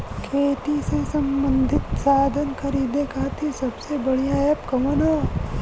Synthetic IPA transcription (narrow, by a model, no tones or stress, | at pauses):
kʰeːt̪isesɐmbə̃nd̪ʱɪt̪saːd̪ʱənkʰɐɾiːd̪ekaːt̪isɐbsebɐɽijaːjɐpkɐmoːna